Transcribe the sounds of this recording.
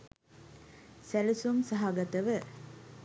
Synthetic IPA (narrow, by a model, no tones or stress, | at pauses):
sælisumsaɦaɡat̪əʋə